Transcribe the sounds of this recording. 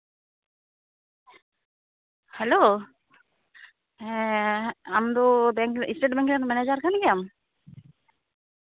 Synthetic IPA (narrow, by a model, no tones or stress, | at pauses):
hɛlo | amd̪obɛŋkḭsʈeʈbɛŋkɛnmɛned͡ʒaɾkʰanɡijam